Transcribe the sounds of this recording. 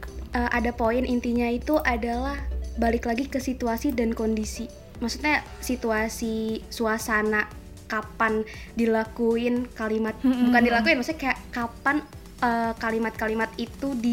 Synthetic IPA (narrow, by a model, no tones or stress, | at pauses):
ʔəːʔadapoɪnʔint̪iɲait̪uʔadalahbalɪklaɡikəsit̪uasidankondisi | maksut̪̚ɲasit̪uasisuasana | kapandilakuɪnkalimat̪̚bukandilakuɪnmaksuɲakajaʔkapan | əkalimat̪̚kalimat̪̚it̪udi